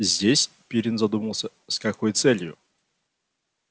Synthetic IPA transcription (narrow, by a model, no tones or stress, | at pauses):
zʲdʲesʲ | pʲiɾʲɪnzɐd̪uməlˠsʲə | sʲkɐkɔjt̪sɛlʲjʊ̰